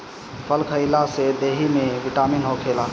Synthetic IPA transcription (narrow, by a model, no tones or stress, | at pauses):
pʰəlkʰəɪlased̪eɦimeʋiʈaːminɦokʰela